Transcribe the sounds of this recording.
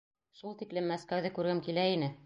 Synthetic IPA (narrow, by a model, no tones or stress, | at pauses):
ʃulˠt̪iklɘmːæskæwðɘkʉɾɡɘmkilæinɘ